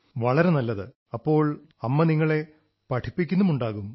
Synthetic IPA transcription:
ʋɐɭɐɾe̞nɐlːɐðɨ | ɐpːo̞ːɭ | ɐmːɐniŋːɐɭe̞ | pɐʈʰipːikʲːunːumuɳɖaːɣum

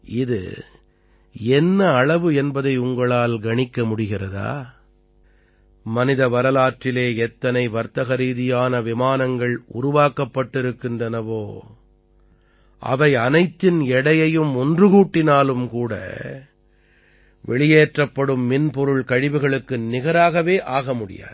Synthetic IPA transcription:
ɪðɯ̰ | ɛnːɐːɭɐʋɯɛnbɐðɐɪʊŋɡɐɭaːlɡɐɳɪkːɐmʊɽɪɣɪrɐða̰ː | mɐnɪðɐʋɐɾɐlaːʈrɪleːɛt̪ːɐnɐɪʋɐɾt̪ɐɣɐɾiːðɪjaːnɐʋɪmaːnɐŋɡɐɭʊ̰ɾʊʋaːkɐpːɐʈːɪɾɯkːɪndrɐnɐʋoː | ʔɐ̰ʋɐɪɐnɐɪt̪ːɪnɛɽɐjɐjɯmʊndrɯɣuːʈːɪnaːlɯmkuːɽɐ̰ | ʋɛɭɪjeːʈrɐpːɐɽɯmːɪnpɔɾɯɭkɐɻɪʋɯɣɐɭɯkːɯnɪɣɐɾaːɣɐʋeːʔaːɣɐmʊɽɪ̰ja̰ːð

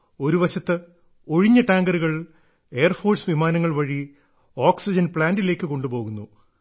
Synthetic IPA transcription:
o̞ɾuʋɐɕɐt̪ːɨ | o̞ɻiɲːɐʈaːŋɡɐɾuɣɐɭ | e̞jɐrfo̞ːrsʋimaːnɐŋːɐɭʋɐɻi | oːksid͡ʑɐnpɭaːndile̞ːkːɨko̞ɳɖupo̞ːɣunːu

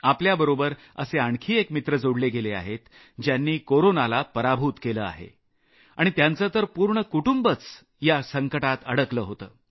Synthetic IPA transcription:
apljabəɾobəɾ | ə̰seaɳkʰiːekmit̪ɾəd͡zoɽleɡelea̰ɦet̪ | d͡ʑjanːiːkoɾonalapəɾabʱuːt̪keləːa̰ɦḛ | aɽ̃it̪jant͡sət̪əɾpuɾɳəkuʈumbət͡s | jasəŋkəʈat̪ə̰ɽəkləːɦot̪ə̰ː

